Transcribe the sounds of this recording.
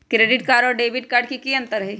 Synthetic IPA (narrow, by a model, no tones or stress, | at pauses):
kɾeːɖɪʈ̚kaːɖɔːɾɖeːbɪʈkaːɾɖkikiɐ̃nt̪əɾɦe